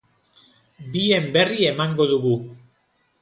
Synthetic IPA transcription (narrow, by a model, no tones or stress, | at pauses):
bie̞mbe̞rie̞maŋɡo̞ðuɣu